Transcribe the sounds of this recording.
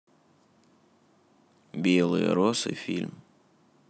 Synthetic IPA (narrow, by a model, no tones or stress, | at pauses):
bʲelˠɨ̰jə̰ɾosɨ̰fʲḭlʲm